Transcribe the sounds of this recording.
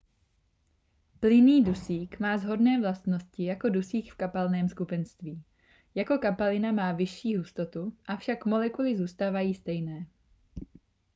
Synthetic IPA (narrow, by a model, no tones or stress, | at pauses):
plɪniːdusiːkmaːzɦo̞dnɛːvlast̪no̞scɪjako̞dusiːkfkapalnɛːmskupɛnst̪viː | jako̞kapalɪnamaːvɪʃiːɦust̪o̞t̪uʔafʃakmo̞lɛkulɪzuːst̪aːvajiːst̪ɛjnɛː